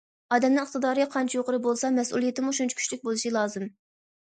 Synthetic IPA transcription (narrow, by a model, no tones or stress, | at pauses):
ɑːd̪ɛmnɨŋəχt̪ɨd̪ɑːɾɨqʰɑnt͡ʃʰijoqʰəɾɨbolˠsɑmɛsṵlˠijet̪ʰɪmuʃunt͡ʃʰu̥kʰʲy̥ʃlyk̚ʲbolˠɨʃilˠɑːzɨm